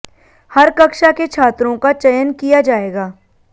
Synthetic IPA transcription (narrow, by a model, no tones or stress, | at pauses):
hɐɾkɐkʃaket͡ʃʰaːt̪ɾõkat͡ʃɐjənkijad͡ʒaːeːɡaː